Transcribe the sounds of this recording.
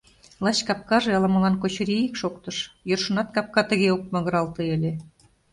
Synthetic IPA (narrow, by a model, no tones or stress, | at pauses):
lˠɑɕkɑp̚kɑʒeɑlɑmɤ̆lɑnkot͡ɕɾiikʃokt̪ɤ̆ʃjorʃɤ̆nɑt̪kɑp̚kɑt̪ə̆ɣeok̚mɑ̆ɣɤ̆ɾɑlt̪ɤelʲe